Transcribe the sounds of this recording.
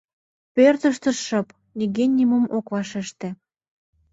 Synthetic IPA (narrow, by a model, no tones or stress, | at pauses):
pørt̪əʃt̪ə̆ʃɤ̆p | liɣenʲːiməmokvɑʃeʃt̪ĕ